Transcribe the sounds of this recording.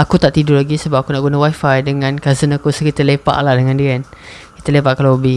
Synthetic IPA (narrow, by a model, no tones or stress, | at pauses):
akut̪aʔt̪idulaɡisəbap̚akunaʔɡunawajfajdəŋãnkazənakusəkit̪əlepa̰ʔlahdəŋãndiən | ki̥t̪əlepaʔkalaabi